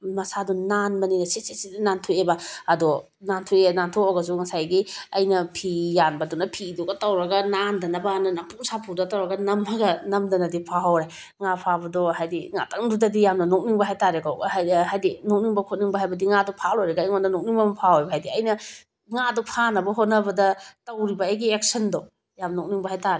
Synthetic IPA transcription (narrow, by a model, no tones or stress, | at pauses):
mɐsadunanbɐninɐsesesidinantʰuebɐɐdɔ | nantʰuenantʰoɔɡɐs̬uŋɐsajɡiɐjnɐpʰijanbɐdunɐpʰiduɡɐtɐwɾɐɡɐnandɐnɐbɐnɐnapuŋsapʰudɐtɐwɾɐɡɐnɐmɐɡɐnɐmdɐnɐdipʰaɦawɾe | ŋapʰabɐdɔɦajdiŋa̰tɐŋdudɐdijamnɐnok̚niŋbɐɦajtaɾekawhajdinok̚niŋbɐkʰot̚niŋbɐɦajbɐdiŋadɔpʰalojɾeɡaiŋonɐnok̚niŋbɐmɐpʰahojbɐɦajdiɐjnɐ | ŋadɔpʰanɐbɐɦot̚nɐbɐdɐtɐwɾibɐːjɡiek̚sɐndɔ | jamnnok̚niŋbɐɦajtaɾe